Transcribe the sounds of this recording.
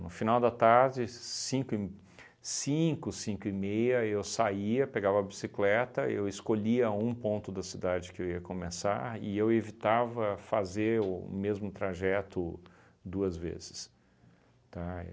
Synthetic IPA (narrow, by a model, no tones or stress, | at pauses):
nʊfinawd̪ɐt̪aɾd͡ʒɪsĩkʊɪ | sĩkʊsĩŋkʊimejɐewsaiɐpeɡavɐːbisiklɛt̪ɐewɪskoʎiɐũpõnt̪ʊd̪ɐsid̪ad͡ʒɪkɪewiɐkõmesa̰ɾɪ̰ewevit̪avɐfazeɾʊmezmʊt̪ɾaʒɛt̪ʊ | d̪uɐzvḛzɪs | t̪a̰